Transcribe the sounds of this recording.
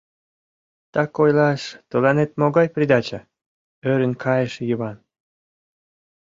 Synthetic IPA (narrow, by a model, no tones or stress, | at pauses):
t̪ɑkojlɑʃt̪əlɑnet̪̚moɣɑjprʲid̪ɑt͡ɕə | øɾənkʰɑjəʃjəβɑn